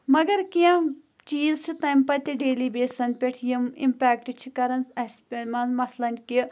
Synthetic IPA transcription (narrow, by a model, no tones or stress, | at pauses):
mɐɡɐɾkijãː | t͡ʃiːzt͡ʃʰit̪ɐjmpɐt̪iɖeːliːbeːsɐnpeʈʰjimḭmpɛːk̚ʈt͡ʃʰikɐɾɐnsɐspʲemɐnzmɐslɐnʲki